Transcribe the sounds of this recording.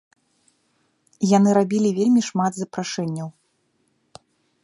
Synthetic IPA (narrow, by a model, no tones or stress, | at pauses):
janɨɾabʲilʲivʲelʲmʲiʂmad̪zɐpɾaʂɛnʲːɐw